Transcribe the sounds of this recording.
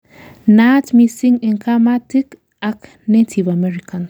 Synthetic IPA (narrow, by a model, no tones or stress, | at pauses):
natmisĩŋinkamatik | ak | netʰivamɛɾikʰan